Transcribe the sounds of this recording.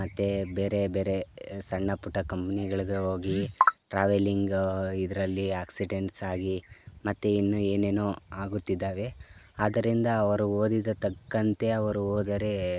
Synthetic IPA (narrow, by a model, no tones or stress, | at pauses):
ɐt̪ːebeːɾe̞beːɾe̞sɐɳːɐpuʈːɐkɐmpɐniɡɐɭiɡeɦoːɡiʈɾaːʋeliŋɡid̪ɐɾɐlːiaːksiɖeɳʈsaːɡimɐt̪ːeinːueːne̞ːnoaːɡut̪ːid̪ːaːʋe̞ | aːd̪ɐɾind̪ɐːʋɐɾuoːd̪id̪ɐt̪ɐkːɐnt̪e̞ɐʋɐɾuoːd̪ɐɾe